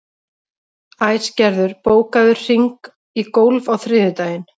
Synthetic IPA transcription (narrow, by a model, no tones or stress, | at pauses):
ajscɛɾðʏɾpoːwkaðʏɾ̥r̥iŋk | ikowlvawθɾɪːðʏt̪aːjɪn